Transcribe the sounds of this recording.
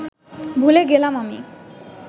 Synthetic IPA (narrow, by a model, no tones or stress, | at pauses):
bʱuleɡelamami